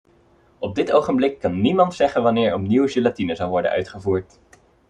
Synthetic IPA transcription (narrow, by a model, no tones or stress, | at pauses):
ɔb̚dɪtowχəmblɪkːɑnːimɑntsɛχənʋɑnɪːɹɔpniwʒilatinəzɑlˠʋɔɹdə̰ʔœ̰ɥtχəvuːɹt